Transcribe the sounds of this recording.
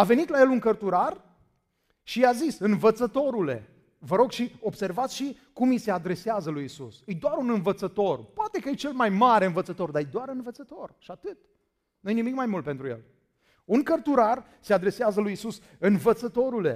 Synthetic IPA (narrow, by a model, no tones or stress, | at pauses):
ave̞nit̪laje̞luŋkərt̪uɾar | ʃiazisɨnvət̪sət̪o̞ɾule̞̰ | vəɾo̞ɡʃio̞bse̞rvat̪sʃi | kumise̞ad̪ɾe̞seazəlujisusɨjd̪oaɾunɨnvət̪sət̪o̞rpoat̪e̞kəjet͡ʃe̞lmajmaɾe̞ɨnvət̪sət̪o̞rd̪aejd̪oaɾɨnvət̪sət̪o̞rʃiat̪ɨt̪ | nujejnimikmajmult̪̚pe̞nt̪ɾujḛl | uŋkərt̪uɾar | se̞ad̪ɾe̞seazəlujisus | ɨnvət̪sət̪o̞ɾule̞̰